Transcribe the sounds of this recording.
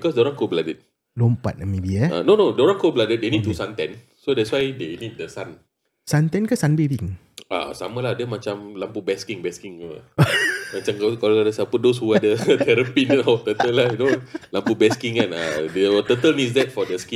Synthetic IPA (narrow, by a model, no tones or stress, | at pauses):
bikɔsdɔɾãnkobladət̪̚ | lompa̰t̚əmebiɛa̰nonodɔɾãŋkobladət̚denit̚t̪ːusant̪ɛ̰̃n | sodɛtswajdenit̚dəsan | sant̪ɛ̃nkasanbebĩŋ | ʔa̰sa̰məladəmat͡ʃamlampubɛskĩŋbɛskiŋa | mat͡ʃamkakaloadəsapʊt̚dos̬huadət̪ʰɛɾəpinɔt̪ət̪əlahjunolampubɛskĩŋkana̰dət̪ət̪əlnis̬dɛt̚fɔdəski